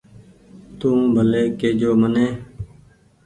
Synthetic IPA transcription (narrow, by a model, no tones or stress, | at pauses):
t̪ũːbʱəleːkeːd͡ʒoːmənẽː